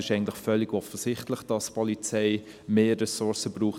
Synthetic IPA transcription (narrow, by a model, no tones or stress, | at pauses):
ɪʃɛɪɡəntlɪχfœlːɪɡɔfəsɪχtləχd̥ɑspʰɔlit͡sɛɪ | meːrɛsʊɾsəbruːχ